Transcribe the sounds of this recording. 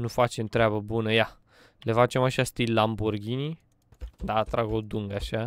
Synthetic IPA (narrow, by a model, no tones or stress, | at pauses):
nufat͡ʃe̞mt̪ɾeabəbunəja | le̞fat͡ʃe̞maʃast̪ilʲlamburɡʲini | d̪aːt̪ɾaɡod̪uŋɡaʃa